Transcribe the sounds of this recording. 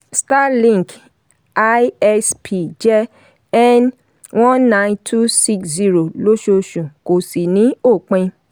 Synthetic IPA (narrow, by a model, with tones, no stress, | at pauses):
sta˦lĩ˦˨k | a˦ɛ˧spʰi˨d͡ʒɛ˦ | ɛ˦n | wɔ̃ː˦ã˧ĩntʰu˦si˦kszi˦ɾo˨lo˦ʃo˧ʃũ˨ko˨si˨nĩ˨˦o˦˨k͡pẽ˧